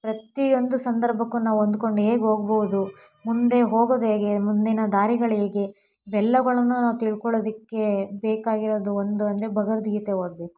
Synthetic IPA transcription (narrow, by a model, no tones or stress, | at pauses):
pɾɐt̪io̞nd̪usɐnd̪ɐɾbʱɐkːunaːʋuond̪uko̞ɳɖueːɡɦoːɡɐbɐʋud̪u | mund̪e̞ɦoːɡoːd̪eːɡe̞mund̪inɐd̪aːɾiɡɐɭeːɡe̞ | bɛlːɐɡɐɭɐnːunaːʋut̪iɭkɔɭoːd̪ikːe̞beːkaːɡiɾoːd̪uond̪uɐnd̪ɐɾe̞bʱɐɡɐʋɐd̪ijɐt̪eɦoːd̪be̞ːku̥